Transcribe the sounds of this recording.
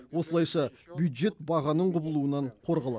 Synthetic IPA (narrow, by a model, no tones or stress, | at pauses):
wo̞səlˠɑjʃɑbjujd̪ʒe̞t̪bɑʁɑnəɴqʰʊbəlˠuənɑɴqʰo̞ɾʁɑlˠɑ